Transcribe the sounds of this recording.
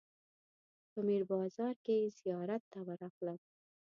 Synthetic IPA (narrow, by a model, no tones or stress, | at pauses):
pəmiɾbɑzɑɾkezijɑɾat̪ːawaɾafla